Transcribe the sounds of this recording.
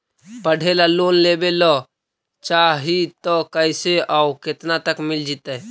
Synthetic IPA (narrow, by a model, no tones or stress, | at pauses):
pəɽ̤ʱelaloːnlebelɔ | t͡ʃaɦit̪ɔkəɪseauket̪nat̪əkmɪld͡ʒit̪ɛː